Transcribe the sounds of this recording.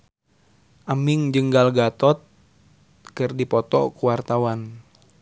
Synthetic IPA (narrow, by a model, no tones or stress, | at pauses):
ʔamiŋd͡ʒɨŋɡalɡat̪ɔt̪̚ | kɨrdipɔt̪ɔ̰kuwart̪awan